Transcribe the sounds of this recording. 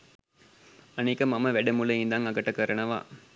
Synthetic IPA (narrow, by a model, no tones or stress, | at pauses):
ɐnɛkːɐmɐmɐʋɛɽɐmulɐjɪnd̪aːŋɐɡɐʈːɐkɐɾɐɳɐʋa̰ː